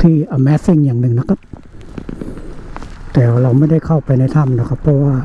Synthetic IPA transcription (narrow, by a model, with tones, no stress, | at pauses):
t̪ʰiː˧˩ʔa˨˩mɛː˧˦˥si˧˨ŋjaː˨˩ŋnɯ˨ŋna˧˥kʰa˧˥p̚ | t̪ɛː˨˩wa˧ɾa˧˩wma˧˥˩da˥˩jkʰa˧˩wpa˨˧jna˧˩jt̪ʰa˧˥˨mnaː˧˩kʰa˧pʰːɔ˧˥waː˧˩